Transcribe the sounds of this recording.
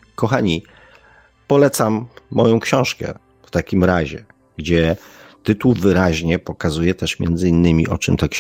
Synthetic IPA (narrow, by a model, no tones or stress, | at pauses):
kɔxaɲi | pɔlɛt̪samːɔjɔ̃w̃kɕɔ̃w̃ʂkɛ̰ | ft̪akʲimɾaʑɛ̰ | ɡd͡ʑɛt̪ɘt̪uwvɘɾaʑɲɛpɔkazujɛt̪ɛʂmʲjɛ̰nd̪zɘinːɘmʲiʔɔt͡ʂɘmt̪ak